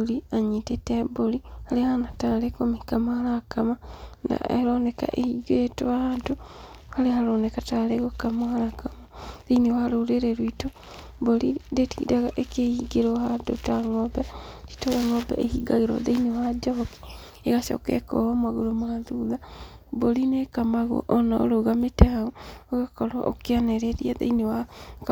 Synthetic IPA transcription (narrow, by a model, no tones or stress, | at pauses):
liaɲitetembolihalehanataːlekomikamahalakamana̰eɾoneka̰ʔehiɡtoahaːntu | halehaɾoːnekataːleɣokamohalakamaðeinewaloleɾeɾwito | bolidetidaɣaʔekehiɡeɾohando̰taŋɔbati̥tolaŋoba̰ʔehiɡaɣeɾɔ̰ðeinewad͡ʒaki̥ | eɣaʃo̰kɛ̰kɔ̰homaɣolomaðuðabolinekamaɣo̰ʔɔnao̰ɾoɣametaɣooɣakɔɾwa̰ʔo̰kianeɾeɾiaðḛinewak